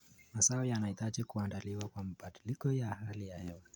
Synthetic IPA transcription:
masaɔjanaitaʄikuandaliwakwamaɓaɗilikɔjahalijahɛwa

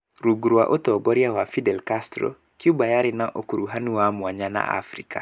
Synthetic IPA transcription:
ɾuɡuɾwaʔotɔbɔɾjawafidɛlkastɾo̰ | kiubajaɾɪnaʔokuɾuɦanuwamwaɲana̰ʔa̰fɾika̰

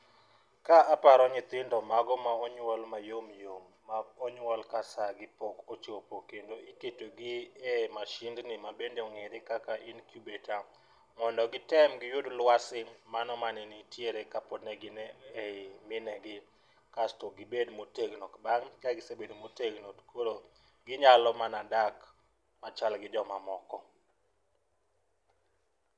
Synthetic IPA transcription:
kaapaɾɔɲɪt̪ɪndɔmaɡɔmaɔɲwɔlmajomjomːaɔɲwɔlkasaɡɪpɔkot͡ʃopokendoiketoɡɪɛmaʃɪndnɪmabendeɔŋeɾekakaʔɪnkjubeta | ŋɔndɔɡɪtɛmɡɪjodlwasɪŋmanɔmanɪnitjeɾekapɔdnɛɡɪnɛemɪnɛɡɪ | kastoɡɪbedmoteɡnokbaŋkaɡɪsebedmoteɡnotkʰoɾo | ɡɪɲalɔmanadak | mat͡ʃalɡɪd͡ʒɔmamɔkɔ

